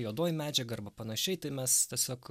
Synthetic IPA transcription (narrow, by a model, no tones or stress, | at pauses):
joːd̪oːjmʲæːd͡ʒʲɛɡɐɐrbɐpɐnɐʃʲɛɪt̪ɐɪmʲɛst̪ʲɛsʲoːk